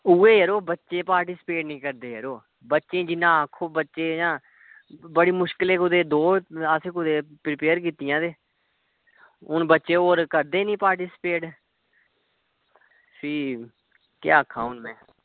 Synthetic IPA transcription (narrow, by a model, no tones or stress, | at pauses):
uːeːɦəɾoːbətːʃeːpaːɾʈiːspeːʈnĩːkəɾd̪eːɦəɾoː | bətːʃẽːd͡ʒɪnãːəkʰːoːbətːʃeːjãː | bəɽiːmʊʃkɪleːkʊd̪eːd̪oːəseːkʊd̪eːpɾɪpeːɾkiːt̪ɪjãːd̪eː | ʊnbətːʃeːoːɾkəɾd̪eːnĩːpaːɾʈiːspeːʈ | siː | kja̰ːəkʰːa̰ːʊnmɛ̃ː